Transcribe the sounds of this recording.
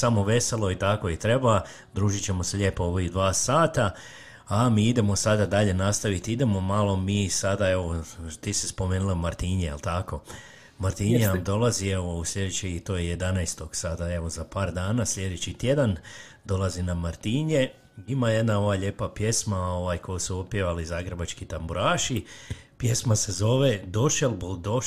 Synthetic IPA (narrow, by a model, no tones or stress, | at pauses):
samo̞ʋe̞se̞lˠo̞it̪ako̞it̪ɾe̞ba | d̪ɾuːʒit͡ɕe̞mo̞seʎeːpooʋojud̪ʋaːsaːt̪a | amiːid̪e̞mo̞sad̪ad̪aʎe̞nast̪aʋit̪iid̪e̞mo̞malˠo̞miːsad̪ae̞ʋot̪isispo̞meːnulˠamaɾt̪iːɲejelˠt̪ako̞ | maɾt̪iɲenamd̪o̞lazie̞ʋouslʎe̞d̪et͡ɕit̪oːjeje̞d̪anajst̪o̞ɡ̥sad̪ae̞ʋo̞zapaːɾd̪aːnasʎʲe̞d̪et͡ɕit̪je̞d̪an | d̪o̞lazinamaɾt̪iɲe | imaje̞d̪nao̞ʋaʎe̞ːpapje̞smao̞ʋajkʰo̞jusuopjeʋalizaːɡɾebat͡ʃkit̪ambuɾaːʃipje̞smase̞zo̞ʋed̪o̞ʃelbold̪o